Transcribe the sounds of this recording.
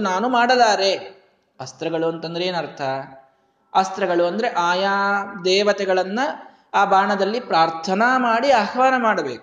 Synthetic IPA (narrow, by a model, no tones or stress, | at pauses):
naːnumaːɽɐlaːɾe̞ | ɐst̪ɾɐɡɐɭuɐnt̪ɐnd̪ɐɾeeːnɐɾt̪ʰɐ | ɐst̪ɾɐɡɐɭuɐnd̪ɐɾe̞ʔaːjaːd̪ɛːʋɐt̪ɛɡɐɭɐnːɐ | aːbʱaːɳɐd̪ɐlːipɾaːɾt̪ʰɐnɐmaːɽiaːɦɐʋaːnɐmaːɽɐbe̞ːku